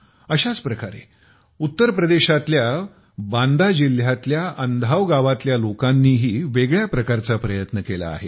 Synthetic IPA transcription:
əɕat͡spɾəkaɾḛ | ut̪ːəɾpɾəd̪eɕat̪lja | band̪ad͡ʑil̤jat̪ljaʔənd̪ʱaʋɡaʋat̪ljalokanːiːɦiːʋeɡɭjapɾəkaɾt͡sapɾəjət̪nəkela̰ːɦe

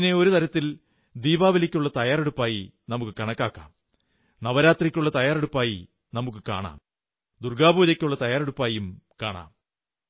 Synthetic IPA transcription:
neo̞ɾut̪ɐɾɐt̪ːil | d̪iːbaːʋɐlikʲːuɭːɐt̪ɐjaːre̞ɽupːaːji | nɐmukːɨkɐɳɐkːaːkːa̰ːm | nɐʋɐɾaːt̪rikʲːuɭːɐt̪ɐjaːreɽupːaːji | nɐmukːɨka̰ːɳa̰ːm | d̪urɡaːbuːðɐkʲːuɭːɐt̪ɐjaːre̞ɽupːaːjumkaːɳa̰ːm

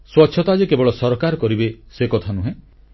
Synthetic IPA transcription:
swɔtːʃʰɔt̪ad͡ʒekebɔɭɔsɔɾɔkaɾɔkɔɾibesekɔt̪ʰanuɦẽ

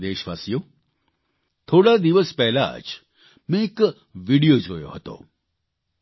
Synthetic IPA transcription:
d̪eːʃʋa̰ːsjo | t̪ʰoːɽad̪iʋəspɛɦla̰d͡ʒ | mẽk | ʋiɽijod͡ʒoːjo̰ɦət̪o̰

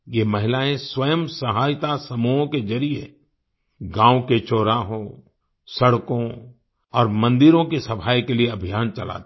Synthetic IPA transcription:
jemɐɦɪlaːẽswɐjəmsɐɦaːjt̪asɐmuːɦõkezɐɾie | ɡãːoket͡ʃoːɾaɦõ | sɐɽkõ | ɔːɾmɐ̃nd̪ɪɾõkisɐpʰaːjkelieɐbʱijaːnt͡ʃɐla̰ːt̪

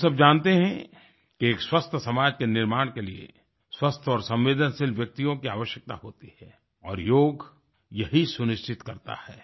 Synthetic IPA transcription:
sɐb̚d͡ʒãːnt̪eɦɛ̃ | keeːkswɐst̪ʰsɐmaːd͡ʒkenɪɾmaːɽ̃keliḛ | swɐst̪ʰɔːɾsɐ̃mʋeːd̪ənsɪlʋjɐk̚t̪ijõkia̰ːʋəʃjək̚t̪a̰ɦoːt̪ihɛː | ɔːɾjoːɡ | jɐɦisʊnɪʃt͡ʃɪt̪kɐɾt̪a̰hɛː

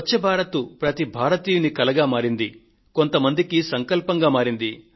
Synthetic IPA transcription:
t͡ʃːɐbʱaːɾɐt̪upɾɐt̪ibʱaːɾɐt̪iːjunikɐlɐɡaːmaːɾind̪i | ko̞nt̪ɐmɐnd̪ikisɐŋkɐlpɐŋɡaːmaːɾind̪i

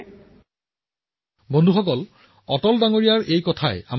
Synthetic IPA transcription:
bondʱuxɔkɔl | ɔtɔldaŋoɹijaɹʔejkɔtʰaea

